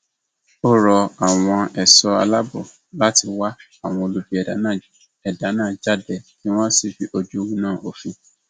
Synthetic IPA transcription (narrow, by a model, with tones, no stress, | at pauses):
o˦ɾɔ˧a˨w̃ɔ̃˧ɛ˨sɔ˧a˧la˦bɔ˦˨ | la˦ti˧wa˦ | a˦˨w̃ɔ̃˧o˧lu˧bi˧˦ɛ˨da˨˦nãː˦˨ | ɛ˨da˨˦nãː˦˨d͡ʒa˦˨dɛ˧˨nĩ˦w̃ɔ̃˦si˦˨fi˨˦ʔo˧d͡ʒu˦wũ˦nã˦˨ʔo˨fĩ˧